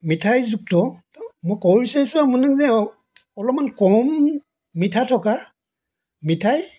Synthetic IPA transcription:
mitʰajzuk̚tɔ | mɔjkɔisaisɔmɔnaŋzɛ | ɔlɔp̚mankɔmː | itʰatʰɔka | mitʰaj

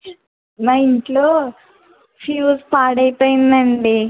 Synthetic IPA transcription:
majiɳʈloː | fʰjuːspaːɽɐjpoːjind̪ɐɳɖi

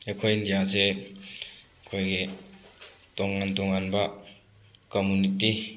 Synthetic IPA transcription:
akʰojindijaze | kʰojɡe | tɔŋːantɔŋanba | komuniti

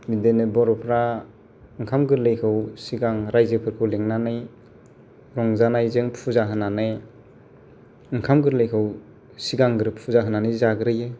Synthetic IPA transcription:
midenɯbɔɾɔpʰɾa | ɯŋkʰamɡɯɾlejkʰɯwsiɡaŋɾajzɯpʰɯɾkʰɯwleŋnanɯj | ɾɔŋzanajzɯŋpʰuzaɦɯnːanɯj | ɯŋkʰamɡɯɾlejkʰɯw | siɡaŋɡɯɾɯpʰuzaɦɯnanɯjzaɡɯɾɯje

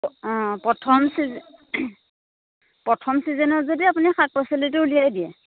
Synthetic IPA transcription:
pɹɔtʰɔmsiz | pɹɔtʰɔmsizɛnɔzodiapunixʰak̚pasɔlituulijajdiɛ

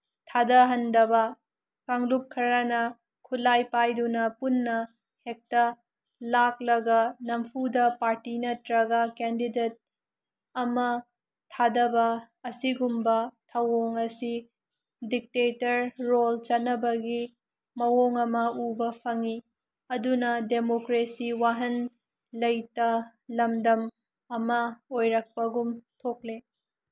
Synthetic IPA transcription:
tʰadɐɦɐndɐbɐ | kaŋlup̚kʰɐɾɐnɐ | kʰulajpajdunɐpunːɐ | hek̚tɐ | laklɐɡɐnɐmpʰudɐpaɾtinɐtɾɐɡɐkendidet̚ | ɐmɐ | tʰadɐbɐː | siɡumbɐtʰɐwoŋɐsi | dik̚tetɐɾːolt͡ʃɐt̚nɐbɐɡi | mɐwoŋɐmɐubɐpʰɐŋi | ɐdunɐdemokɾesiwaɦɐn | lɐjtɐ | lɐmdɐm | ɐmɐojɾɐk̚pɐɡumtʰok̚le

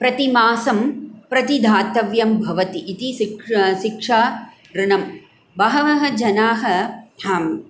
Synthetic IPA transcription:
pɾɐt̪imaːsɐmpɾɐt̪id̪ʱaːt̪ɐʋjɐmbʱɐʋɐt̪iʔːt̪iʃiʃikʂaː | ɾɪɳɐm | bɐɦɐʋɐɦɐd͡ʒɐnaːɦɐ̆aːm

